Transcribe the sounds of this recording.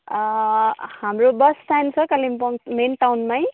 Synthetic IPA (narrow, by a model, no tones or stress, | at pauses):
hamɹubastajnsɔkalimpɔŋmenʈawnmaj